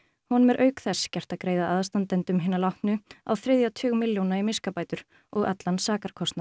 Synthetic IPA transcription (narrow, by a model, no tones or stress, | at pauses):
hɔnmɛɾʔœːɥkθɛscɛr̥t̪aðkɾeːjðaʔaðst̪ant̪ɛnt̪ʏmɦɪːnalawht̪nʏa̰wθɾɪðjawt̪ʰʏːɣmɪljownaimɪskapaːjt̪ʏɾ̥ | ɔɣa̰t̪lansaːkaɾ̥kʰɔst̪nḁ